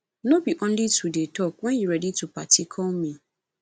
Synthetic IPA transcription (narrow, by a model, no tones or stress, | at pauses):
nõbiʔɔ̃nlitʰudetʰɔk̚wɛ̃njuɹɛditʰupʰatʰikʰɔlmĩ